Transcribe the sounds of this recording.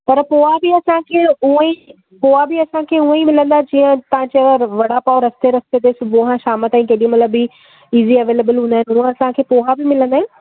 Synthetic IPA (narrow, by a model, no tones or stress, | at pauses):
pɐɾpoːɦabɪɐsãkʰeːũi | poːɦabɪɐsãkʰeːuə̃imɪlə̃nd̪aːɛd͡ʑĩːə̃t̪ɐʋ̤ãt͡ɕeʋɐɽapaːɾɐst̪eɾɐst̪et̪eːsʊbʱuɦãʃaːmət̪ãːĩkeːɗĩjũmɐt̪ləbi | iːziɐʋeːlebəlɦũːnd̪aɦɪnuə̃ɐsãkʰeːpoːɦabɪmɪlə̃nd̪aːɦɪnɪ